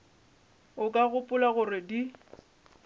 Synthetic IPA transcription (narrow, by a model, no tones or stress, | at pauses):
ʊkʼaɣʊpʼʊlaɣʊrɪdi